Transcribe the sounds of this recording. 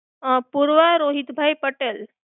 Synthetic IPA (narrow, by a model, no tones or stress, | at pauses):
puɾʋaɾoɦit̪bʱajpəʈel